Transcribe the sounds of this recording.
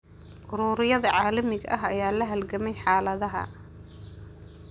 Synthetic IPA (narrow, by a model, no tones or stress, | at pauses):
ʔʊɾuːɾɪjɐðɐʕɑːlɐmɪɡɐʔɐɦɐjaːlɐɦɐlɡɐmɛjħɑːlɐðɐɦɐ̰